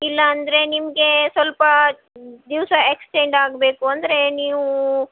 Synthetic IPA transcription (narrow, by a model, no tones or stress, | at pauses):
ilːɐːnd̪ɐɾe̞nimɐɡe̞sʋɐlpɐ | d̪iʋsɐeksʈeɳɖaːɡbeːkuɐnd̪ɐɾe̞niːʋu